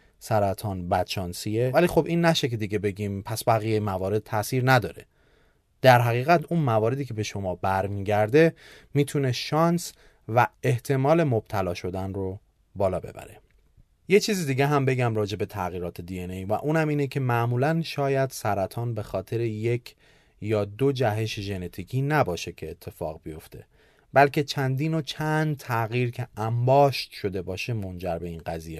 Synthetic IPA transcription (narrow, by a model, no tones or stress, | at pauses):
sæɾæt̪ʰɒːnbæd̪̥ʃɒːnsijevæliːxo̞bʔiːnːæʃekʰe̞d̪iɟe̞be̞ɟimpʰæsbæɣijejimævɒːɾe̞d̪̥̚t̪ʰæsiːɾnæd̪ɒ̰ːɾe̞ | d̪̥æɾɦæɣiːɣæt̪ʰuːnmævɒːɾe̞d̪iːcʰebe̞ʃo̞mɒːbæɾmiːɟæɾd̪e̞miːt̪ʰune̞ʃɒːns | væeht̪ʰe̞mɒːle̞mob̥̚t̪ʰælɒːʃo̞d̪ænro | bɒːlɒːbe̞̰bæ̰ɾe̞ | je̞t͡ʃʰiːzid̪iːɟeɦæmbe̞ɟæmɾɒːd͡ʒe̞be̞t̪ʰæɣiːɾɒːt̪ʰe̞d̪ienejvæ̰ʔuːnæmiːnecʰe̞mæʔmuːlænʃɒːjæd̪sæɾæt̪ʰɒːnbe̞xɒːt̪ʰe̞ɾeje̞cʰ | jɒːd̪od͡ʒæɦe̞ʃeʒe̞ne̞t̪ʰiːcʰiːnæbɒːʃe̞cʰe̞ːt̪ʰːe̞fɒ̰ːɣbijo̞ft̪ʰe̞̰ | bælcʰe̞t͡ʃʰænd̪iːnot͡ʃʰænd̪̚t̪ʰæɣiːɾcʲʰe̞æmbɒːʃt̪ʃo̞d̪e̞bɒːʃe̞mo̞nd͡ʒæɾbe̞iːnɢæziːje